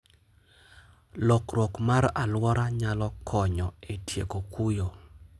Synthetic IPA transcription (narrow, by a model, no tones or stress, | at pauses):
lɔkɾɔkmaɾalwɔɾaɲalɔkʰɔɲɔetjḛkokujo